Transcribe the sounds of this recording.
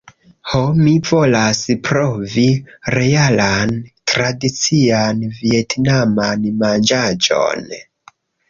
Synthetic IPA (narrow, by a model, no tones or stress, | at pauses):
homivo̞laspɾoviɾe̞alantɾadit͡sianvietnamanmand͡ʒad͡ʒo̰n